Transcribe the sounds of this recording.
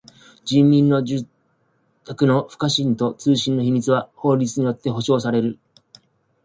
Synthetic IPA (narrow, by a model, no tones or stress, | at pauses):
d͡ʑĩmːʲĩnːo̞d͡ʑɨ | t̪akɯ̟no̞ɸɯ̥kaɕĩnt̪o̞t͡sɨːɕĩnːo̞çimʲit͡sɨβaho̞ːɾʲit͡sɨɲ̟ijo̞t̪ːe̞ɦo̞ɕo̞ːsaɾe̞ɾɯ̟